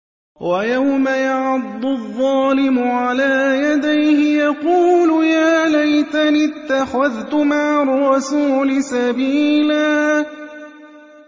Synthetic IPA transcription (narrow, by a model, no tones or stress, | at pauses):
wajawmajaʕɑd̪ˤːʊðˤːɑːlɪmʊʕalaːjad̪ajhɪjɑquːlʊjaːlajt̪anɪt̪ːaxaðt̪ʊmaʕɑrˤːɑsuːlɪsabiːlaː